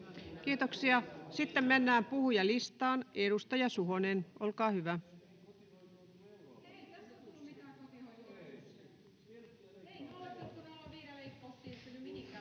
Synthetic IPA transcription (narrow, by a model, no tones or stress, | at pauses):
kiːt̪oksiɑsit̪ːemmenːæːmpuhujɑlist̪ɑːneɾust̪ɑjɑsuhonenʔolkɑːhyʋæ